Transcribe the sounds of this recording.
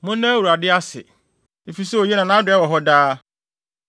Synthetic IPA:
mʊ̃˦nːã˦wu˨ɾa˨dɪ˦a˦sɪ̰˨ | e˨fi˨sɛ˦o˨je˦nã˨nã˦dɪ˨ɛ˦wɔ˨ɦɔ˦daː˦

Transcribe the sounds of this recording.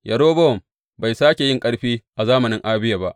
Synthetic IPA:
jʔɐ˨ɽoː˦bɔ˦ɔ˨m | ba˨jsaː˦kʲe˨jɪ˦ŋkʼɐ˦ɽɸiː˦ʔa˨zaː˦mɐ˨nɪ˦ŋʔaː˦bɪ˦ja˨ba˦˨ʔ

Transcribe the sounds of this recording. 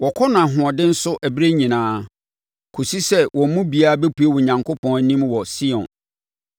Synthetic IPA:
wɔ˨kʰɔ˦nʊ̃˨a˨ɦʊ̃˨ɔ˨dɪ˦n̩˦sʊ˦ʔæ˨bɾe˦ɲĩ˨nãː˦ | kʰo˨si˦sɛ˦wʔɔ̃˨˦mũ˦bi˨a˦a˦be˦pʰu˨˦e˦wʊ̃˨ɲã˨ŋkʰo˦pʰɔ̃˦ŋæ˨˦nĩ˦mwɔ˨si˦ɔ̰̃˨n

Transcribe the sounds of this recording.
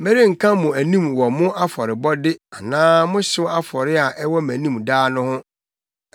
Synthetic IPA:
mɛ˦ɾi˦ŋ̩˨kʰã˦mʊ̃˨æ˨nĩ˦mwɔ˨mʊ̃˦ʔa˦fɔ˨ɾɪ˨bɔ˦dɪ˦a˨nãː˦mʊ̃˦ɕɪ˦wa˦fɔ˨ɾɪ˦a˨ʔɛ˦wɔ˦mæ̃˨nĩ˦mdaː˦nʊ̃˦hʊ̃˦

